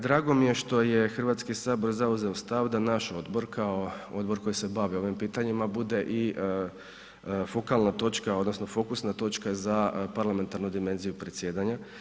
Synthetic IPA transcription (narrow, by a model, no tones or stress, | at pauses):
d̪ɾaːɡo̞mije̞ʃt̪o̞je̞xr̩ʋat̪skisaːbo̞ɾzauzeost̪aʋd̪anaʃo̞d̪bo̞ɾkʰaood̪bo̞ɾko̞jise̞baʋio̞ʋimpiːt̪aɲimabud̪e̞ʔi | fo̞kalnat̪o̞t͡ʃkaod̪no̞sno̞fo̞kusnat̪o̞t͡ʃkazapaɾlame̞nt̪aɾnud̪ime̞nzijupɾe̞t̪sje̞ːd̪aɲa